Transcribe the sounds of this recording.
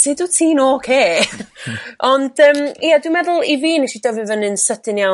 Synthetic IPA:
sʰeːduːtʰiːnokʰeː | ʔɔnd̥əːmijadwumɛðʊlˠiviːniʃidəvɨvənɨnsədɨnja

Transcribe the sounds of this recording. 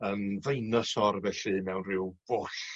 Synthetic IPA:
əːmvejnɔsɔrvɛɬɨmɛwnrɪwb̥ʊɬ

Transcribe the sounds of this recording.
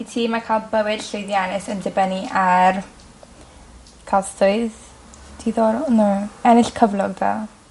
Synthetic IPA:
itʰiːmakʰalˠbəwɪd̥ɬewðjanɪsəndəbɛniʔar | kʰastʊɨð | dʰiːðɔɾnuɛnɪɬkʰəvlˠɔɡ̚ða̰

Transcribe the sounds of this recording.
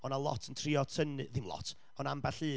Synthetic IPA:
ɔnalˠɔ̰tʰəntʰrɪɔtʰənɨðɪmlˠɔ̰tʰ | ɔnambaɬɨː

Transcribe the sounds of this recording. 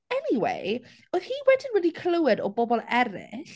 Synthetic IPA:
ɛniwḛj | ɔðhiwɛdɪnɹiːdikʰləwɛdɔbɔbɔlˠɛɾɪ̰ɬ

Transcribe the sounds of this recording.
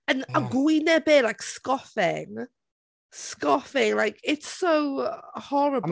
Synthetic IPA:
ə̃nəɡwinəbɛːlaɪkskɒfɪ̰ŋ | skɔfɪ̃ŋlaɪkʰɪtsowhɔɹəb

